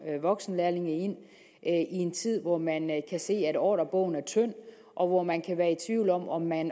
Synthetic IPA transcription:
ʋɒ̽ɡ̥sn̩læɐle̝ŋɐe̝n̰ | ʔie̝nt͡sʰið̞̰ˠʋɒmænkʰæse̝̰ːæɾ̥ɒ̰ːɾ̥ɐb̥ɔ̰̽ʊ̰n̩æɐt͡sʰøn̰ | ʔɒ̽ʋɒmænkʰæʋæːɐet͡sʰʋiʊlɒ̽mɒ̽mːæn

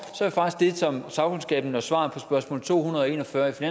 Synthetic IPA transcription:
sɒɐɾe̝fɑ̈ɡ̥isɡ̥̚d̥e̝sɒ̽msɑ̈ʊkʰonsɡ̥ɛ̰ːb̥n̩ɒsʋɑ̰̈ːpʰɒ̽sb̥ɶɐsmɔ̰̽ːl̩ˠt͡sʰo̝̰ːhunɐðˠɒe̝̰ːnɒ̽fɶɐifinæ

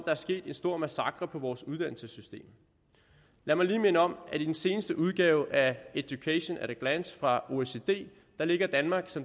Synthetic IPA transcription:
d̥ɑ̈æɐsɡ̥e̝̰ːd̥e̝nsd̥o̝ɐ̰mæsɑ̈ɡ̥ʁɐpʰɒ̽ʋɒːsuð̞ˠd̥ænl̩səsysd̥e̝̰ːm | læɐmɑ̈ɪliːme̝nəɒ̽m̰æd̥id̥en̩se̝ːnəsd̥əʔuð̞ˠɡ̥ɛːʊʔæed̥jukʰæɕo̝nʔæɾæɡ̥lænsfʁɑ̈o̝ese̝d̥e̝̰ː | d̥ɑ̈le̝ɡ̥ɐd̥ænmɑ̈ːɡ̥sɒ̽m

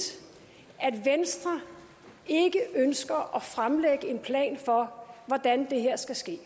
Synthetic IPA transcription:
æd̥ʋensd̥ʁɐ | e̝ɡ̥əʔønsɡ̥ɐʔɒfʁamleɡ̥əe̝npʰlɛ̰ːnfɒ̽ʋɒd̥ænd̥e̝ɦeɐ̰sɡ̥æsɡ̥e̝̰ː

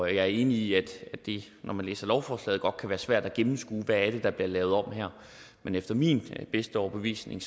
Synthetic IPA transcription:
jɑ̈ɪæɐe̝ːniiæd̥æd̥e̝ | nʔɒmænlḛːsɐlɒʊfɒːslɛ̰ːð̩̥ˠɒ̽d̥̚kʰæʋæːɐsʋæɐ̰d̥æɡ̥emm̩sɡ̥uːʋææɐd̥e̝d̥ɑ̈b̥liɐlɛːʊð̞ˠɒ̽m̰hæɐ̰ | menefd̥ɐminb̥esd̥əɒʊb̥e̝ʋḭːsne̝ŋ

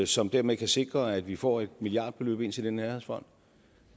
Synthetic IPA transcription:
sɒ̽md̥æɐ̰mekʰæse̝ɡ̥ʁɐæd̥ʋifɒ̰ːe̝d̥milijɑ̈ːd̥b̥ʰe̝lø̰ːb̥e̝n̰t͡sʰe̝ld̥enːæɐheðˠsfɒ̽n̰d̥

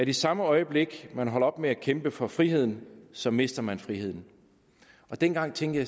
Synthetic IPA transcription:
æɐd̥esɑ̈məɒ̽ɪəb̥le̝ɡ̥mænɦɒ̽l̰ɐɒ̽b̥meækʰemb̥əfɒ̽fʁiɦe̝ð̞̰ˠn̩sɒ̽me̝sd̥ɐmænfʁiɦe̝ð̞̰ˠn̩ | ʔɒ̽d̥enɡ̥ɑ̈ŋ̰t͡sʰeŋɡ̥ɐjɑ

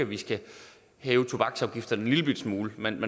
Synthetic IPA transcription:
æʋisɡ̥æ | hɛːʊət͡sʰo̝b̥ɑ̈ɡ̥sɑ̈ʊɡ̥ifd̥ɐd̥enliləb̥yd̥smuːləmenme

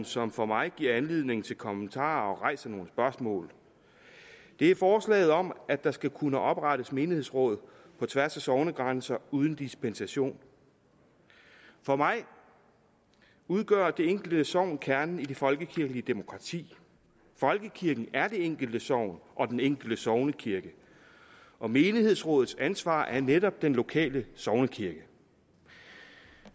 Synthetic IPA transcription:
n̩sɒ̽mfɒ̽mɑ̈ɪɡ̥iɐ̰ænle̝ð̞̰ˠne̝ŋn̩t͡sʰe̝lkʰɒ̽mənt͡sʰɑ̰̈ːɒ̽ʁɑ̈ɪ̰sɐno̝ːnəsb̥ɶɐsmɔ̰̽ːl | d̥e̝æɐfɒːslɛ̰ːɪð̞̩ˠɒ̽mæ̥ɑ̈sɡ̥ækʰunəʔɒ̽b̥ʁɑɾəsme̝ːnihe̝̰sʁɔ̽ːð̰ˠ | pʰɒ̽t͡sʰʋæɐsæsɒʊnəɡ̥ʁansɐuːð̞ˠn̩d̥isb̥ensæɕo̝̰ːn | fɒ̽mɑ̈ɪ | uð̞ˠɡ̥ɶ̰ɐd̥e̝eŋ̰ɡ̥l̩d̥əsɒʊ̰nkʰæɐnn̩id̥e̝fɒ̽lɡ̥əkʰiɐɡ̥n̩iəd̥e̝mo̝kʰʁɑ̈t͡sʰḭː | fɒ̽lɡ̥əkʰiɐɡ̥n̩æɐd̥e̝eŋ̰ɡ̥l̩d̥əsɒʊ̰nʔɒ̽d̥eneŋ̰ɡ̥l̩d̥əsɒʊnəkʰiɐɡ̥ə | ʔɒ̽me̝ːnihe̝ð̞̰ˠsʁɔ̰̽ːð̩ˠsænsʋɑ̰̈ːʔæɐneɾɒ̽b̥̚d̥enlo̝kʰɛ̰ːləsɒʊnəkʰiɐɡ̥ə

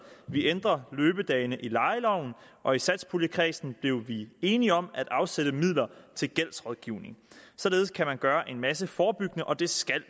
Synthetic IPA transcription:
ʋiend̥ʁɐløːb̥əd̥ɛːɪnəʔilɑ̈ɪəlɒʊ̰n̩ʔɒ̽isæd̥spʰuləkʰʁɛsn̩b̥le̝ʊʋie̝ːniɒ̽mæd̥ɑ̈ʊseɾ̥əmið̰ˠlɐt͡sʰe̝lɡ̥el̰sʁɒðˠɡ̥iʊne̝ŋsɒ̽le̝ːð̞ˠskʰæmænɡ̥ɶːɐʔe̝nmæsəfɒːb̥yɡ̥nəʔɒ̽d̥e̝sɡ̥æl̰

